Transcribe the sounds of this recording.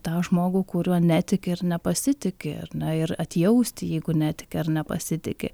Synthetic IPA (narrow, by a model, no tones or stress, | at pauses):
t̪ɑːʒmoːɡuːkʊɾʲuɔnʲæːt̪ʲɪkʲɪɪrnʲɛpɐsʲɪt̪ʲɪkʲɪ̰ɐ̰rnʲɛɪɾɐt̪ʲjɛʊsʲt̪ʲɪjɛɪɡʊnʲæːt̪ʲɪ̥kʲɪɪrnʲɛpɐ̰sʲɪt̪ʲɪ̰kʲɪ̰